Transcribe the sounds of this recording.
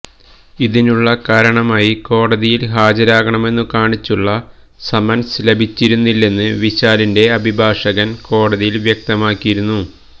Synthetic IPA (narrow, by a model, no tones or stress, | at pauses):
iðinuɭːɐkaːɾɐɳɐmaːjiko̞ːɽɐðijilɦaːd͡ʑɐɾaːɣɐɳɐme̞nːɨkaːɳit͡ɕːuɭːɐ | sɐmɐnslebʱit͡ɕːiɾunːilːe̞nːɨʋiɕaːlinde̞ɐbʱibʱaːʂɐɣɐnko̞ːɽɐðijilʋjek̚t̪ɐmaːkːijiɾunːu